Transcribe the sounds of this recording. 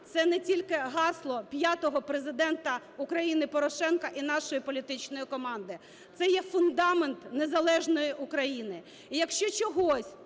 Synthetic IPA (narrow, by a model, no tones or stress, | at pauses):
t̪sɛnɛtʲilʲkɪɦɑslˠɔpʲjat̪ɔɦɔpɾezɪd̪ɛnt̪ɐ | ʊkɾɐjinɪpɔɾɔʃɛnkɐʔinɑʃɔjipɔlʲit̪ɪt͡ʃnɔjikɔmɑnd̪ɪ | t̪sɛjɛfʊnd̪ɑment̪nezɐlˠɛʒnɔjiʔʊkɾɐjinɪ | ijɐkʃt͡ʃɔt͡ʃɔɦɔsʲ